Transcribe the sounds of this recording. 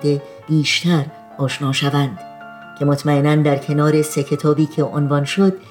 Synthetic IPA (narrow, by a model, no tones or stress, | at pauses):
d̪e̞ | b̥iːʃt̪æɾ | ɒːʃnɒːʃævænd̪̥ | cʲʰe̞mot̪ʰmæenænd̪æɾkʰe̞nɒːɾe̞se̞cʰe̞t̪ʰɒːbiːcʰeʔonvɒnʃod̪